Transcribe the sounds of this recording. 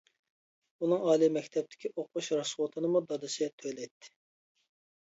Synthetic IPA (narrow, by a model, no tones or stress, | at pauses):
unɨŋɑːlˠimɛkʲt̪ʰɛp̚t̪ʰɪ̥kʲʰiʔoqʰuʃɾɑswot̪ʰɨnɨmud̪ɑd̪ɨsɪt̪ʰølɛjt̪ʰːɪ̥